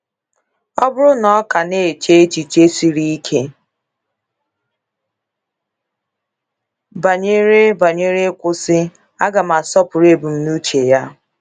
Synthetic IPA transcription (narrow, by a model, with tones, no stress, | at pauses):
ɔ˦bʊ˦ɾʊ˦nɔ˦ka˨ne˦˨e˨t͡ʃe˦e˦t͡ʃi˨t͡ʃe˦si˦ɾi˦i˦kʰe˦ | ba˨ɲe˦ɾe˦ba˨ɲe˦ɾe˦kʷʊ˦sɪ˦ | a˦ɡa˨ma˨sɔ˦pʊ˨ɾe˦bu˨m̩˦nu˦t͡ʃe˨ja˦